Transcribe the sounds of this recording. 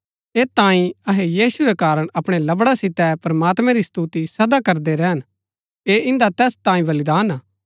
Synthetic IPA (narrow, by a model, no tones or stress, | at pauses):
eːt̪ãːĩɐɦejiːsuɾɛkaːɾəɽ̃ɐpɽ̃elɐbɽasɪt̪ɛpɾɐmaːt̪mɛ̃ɾist̪ut̪isɐd̪akɐɾd̪eɾɛːɦən | eːɪ̃nd̪at̪ɛːst̪ãːĩbɐlɪd̪aːnaː